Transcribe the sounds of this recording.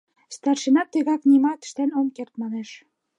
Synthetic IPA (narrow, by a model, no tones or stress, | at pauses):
st̪ɑrʃenɑt̪ːeɣɑknimɑt̪ə̥ʃt̪ænomkert̪mɑneʃ